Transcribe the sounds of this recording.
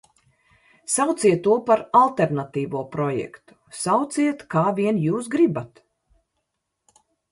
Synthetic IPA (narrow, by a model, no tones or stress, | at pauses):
sawt̪siɛt̪ːuɔpaɾalˠt̪eɾnat̪iːvuɔpɾɔjɛ̰kt̪u̥sawt̪siɛt̪kaːvʲiɛnjuːsɡɾibat̪